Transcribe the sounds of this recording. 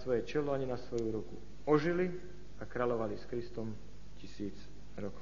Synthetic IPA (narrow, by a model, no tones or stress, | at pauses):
sʋɔjɛt͡ʃɛlɔaɲinasʋɔjuɾukṵ | ɔʒili | akɾalɔʋaliskɾist̪ɔm | cisiːd͡z | ɾɔk